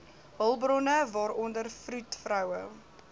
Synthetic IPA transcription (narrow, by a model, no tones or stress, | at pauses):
vəlˠbrɔnəvɑːɾɔndərfrutfɾœwə